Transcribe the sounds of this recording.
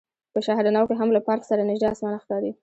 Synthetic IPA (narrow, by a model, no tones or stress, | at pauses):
pəʃaɦhd̪anawkeɦamlapɑɾksaɾanɪʒd̪easmɑnaxt̪ɑd̪i